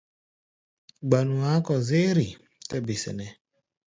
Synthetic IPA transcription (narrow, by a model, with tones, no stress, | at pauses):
ɡ͡ba˨nu˨a˨˦kɔ˨zɪ˦ɾi˨ | tɛ˦bi˨sɛ̰˨nɛ˨